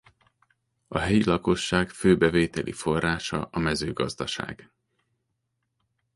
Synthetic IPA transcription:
ɒɦɛjilɒko̞ʃːaːɡføːbɛveːt̪ɛlʔḭfo̞rːaːʃɒ̰ɒmɛzøːɡɒzd̪ɒʃa̰ːɡ̥

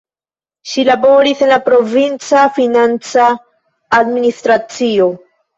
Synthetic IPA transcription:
ʃilaboɾisenlapɾovint͡safinant͡saː | d̪minist̪ɾat͡sio

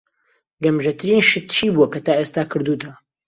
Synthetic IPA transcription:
ɡɐmʒɐt̪ʰɨɾiːnʃɪt̪t͡ʃʰiːbuwɐkɐt̪aːʔeːst̪aːkʰɨɾd̪uːt̪ʰɐ

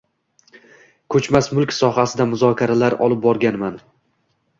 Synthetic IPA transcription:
kʰɵt͡ʃmasmʊlkʲsɒhasɪd̪amʊzɒkʲʰaɾalaɾɒ̰lɪp̚bɒɾɡʲanman

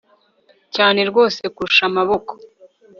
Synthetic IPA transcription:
caːne̞ɾɡo̞ːse̞kuɾuʃamaβo̞ko

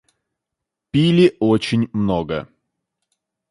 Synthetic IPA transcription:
pʲilʲɪʔot͡ɕɪnʲmnoɡə̰

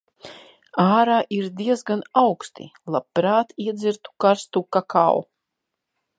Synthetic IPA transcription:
aːɾaːʔiɾd̪iɛzɡanawkst̪ḭlˠapːɾaːt̪iɛd̪ziɾt̪u̥kaɾst̪ukaka̰w

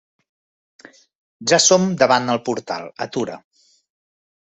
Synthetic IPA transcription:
ʒasomd̪əβand̪əlˠpuɾt̪a̰lˠət̪uɾə̰

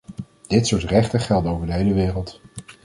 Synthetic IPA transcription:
d̥ɪtsʊːɹtrɛχtəχɛlˠdəowvəɹdəɦejləʋɪːrəlˠt

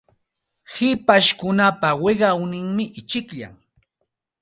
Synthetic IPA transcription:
hɪpaʃkʊnapawɪɢɑwnɪŋmɪʔɪt͡ʃɪkʎa̰ŋ

